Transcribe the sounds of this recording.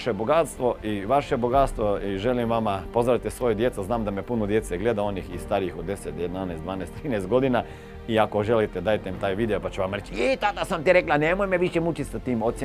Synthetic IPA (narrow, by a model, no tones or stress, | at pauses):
ʃeboɡat̪st̪ʋo̞ʔiʋaʃeboɡat̪st̪ʋo̞iʒe̞limʋamapo̞zɾaʋit̪esʋo̞jud̪jet̪suznaːmd̪amepunod̪je̞t̪seɡle̞d̪ao̞nixist̪aɾiixud̪e̞set̪jed̪naneːsd̪ʋaːneːst̪ɾiːnejst̪ɡo̞d̪ina | iako̞ʒe̞lit̪ed̪aːjt̪eimt̪aːjʋiːd̪eopat͡ɕuʋamɾet͡ɕit̪ad̪asamt̪iɾeklanemojmeʋiʃemut͡ʃit̪sat̪iːmo̞t̪sʲ